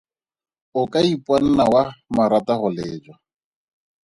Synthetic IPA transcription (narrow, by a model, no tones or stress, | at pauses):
ʊkʼaipʼwan̩nawamaɾatahɔleːd͡ʒwa